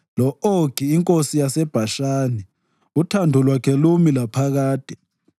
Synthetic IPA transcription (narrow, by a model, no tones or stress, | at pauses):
lɔoɡ̥ʱiːŋkʼosijasɛb̥ʱaʃaːnɛ | utʰandʱulwakʰɛlumilapʰaɣaːd̥ʱɛ